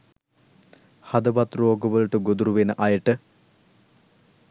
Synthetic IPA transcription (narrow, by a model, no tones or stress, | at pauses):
had̪əʋat̪roːɡəʋəluʈəɡod̪uɾuʋenəʔɐjəʈə